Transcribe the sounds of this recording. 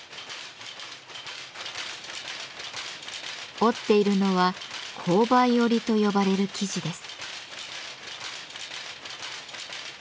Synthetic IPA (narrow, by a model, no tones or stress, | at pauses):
o̞t̪ːe̞iɾɯ̟no̞βakʰo̞ːbajo̞ɾʲit̪o̞jo̞baɾe̞ɾɯ̟kʲiʑid̪e̞sɨ̥